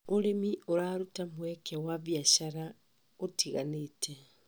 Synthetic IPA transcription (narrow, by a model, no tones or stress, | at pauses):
oɾemioɾaɾutamwɛkʰawavjaɕaɾa | otʰiɣaneːtʰɛ